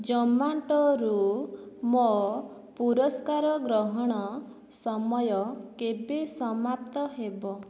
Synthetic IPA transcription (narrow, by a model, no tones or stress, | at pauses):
d͡ʒɔmaɳʈɔɾu | mɔ | puɾɔskaɾɔɡɾɔɦɔɽ̃ɔ | sɔmɔjɔkebesɔmap̚t̪ɔɦebɔ